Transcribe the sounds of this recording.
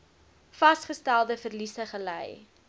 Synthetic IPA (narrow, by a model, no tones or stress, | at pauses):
fɐstχəstælˠdəfərlisəχəlɛ̰j